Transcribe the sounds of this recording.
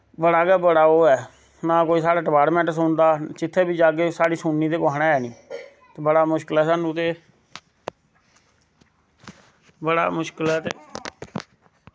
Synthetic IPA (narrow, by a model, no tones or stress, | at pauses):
bəɽaːɡɛːbəɽaːoːɛː | nãːkoːiːsaːɽaːʈəbaːɽmɛ̃ːʈs̬õːnd̪aːt͡ʃɪt̪ʰːeːbiːd͡ʒaːɡeːsaːɽiːsuːnːiːd̪eːkoaːɽaɛːnĩː | t̪eːbəɽaːmʊʃkəlɛːsaːnũːt̪eː | bəɽa̰ːmʊʃkɪlɛːt̪ḛː